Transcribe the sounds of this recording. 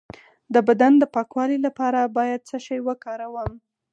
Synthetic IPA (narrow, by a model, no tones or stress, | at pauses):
d̪əbad̪and̪əpɑkwɑlilapɑɾabɑjad̪̚səʃajwəkɑɾawəm